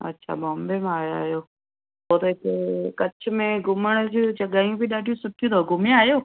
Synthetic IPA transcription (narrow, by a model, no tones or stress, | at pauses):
ɐ̰tːʃʰa̰bɔ̃ːmbemẽaːja̰ːɦjoː | ɦoːt̪ːkekɐt͡ʃʰʊ̆mẽɡʊməɽ̃d͡ʑit͡ʃɐɠaːijũbiɗaːɖʱijũsʊʈʰijũt̪ʰoɡʊmjãaːjoː